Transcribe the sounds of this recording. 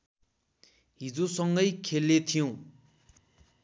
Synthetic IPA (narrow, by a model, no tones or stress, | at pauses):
ɦid͡zosʌŋɡʌjkʰelːet̪ʰijõ